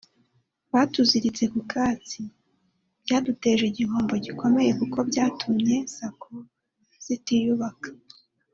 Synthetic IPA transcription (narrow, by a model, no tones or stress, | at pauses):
βaːtuziɾit͡se̞kukaːt͡si | b̥ɟaːdute̞ʒeɟiɦoːmbo̞ɟiko̞me̞je̞kuko̞bɟaːtʰumɲe̞sakʰo | z̥itijuβakḁ